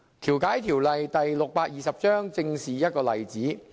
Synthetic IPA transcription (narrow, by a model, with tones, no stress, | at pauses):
t̪ʰiː˨˩wkaː˨˥jt̪ʰiː˨˩wlɐ˨jt̪ɐ˨jlʊ˨k̚paː˧t̚jiː˨˩sɐ˨p̚t͡ʃœː˥ŋt͡sɪ˧ŋsiː˨˩jɐ˥t̚kɔː˧lɐ˨˩jt͡siː˨˥